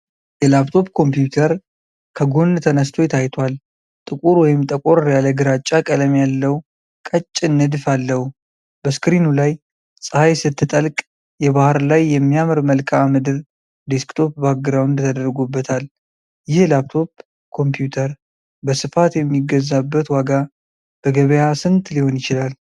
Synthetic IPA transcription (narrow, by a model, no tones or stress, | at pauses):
jɛlapt̪ʰo̞pkʰo̞mpjut̪ʰəɾ | kʰəɡo̞nt̪ʰənəst̪ʰo̞jɛt̪ʰajt̪ʰwal | t̪ʼɨkʼuɾwɔjɪmt̪ʼəkʼoɾjaləɡɨɾat͡ʃʼːakʼələmjalːəw | kʼət͡ʃʼːɪnːɨd̪falːəhu | bəskɾinulaj | sʼɨhajsɨt̪ːɨt̪ʼəlkʼ | jɛβahɨɾlajːɛmːijamɨɾməlkʰʼaamɨd̪ɨɾ | d̪eskt̪ʰo̞p̚baɡɨɾawɨnd̪t̪ʰəd̪əɾɡubːət̪ʰal | jɪhlapt̪ʰo̞p | kʰo̞mpjut̪ʰəɾ | bəsɨfat̪jɛmːiɡəzːabːət̪waɡa | b̥əɡəβəjasɨnt̪ʰʼliho̞njɪt͡ʃɪlal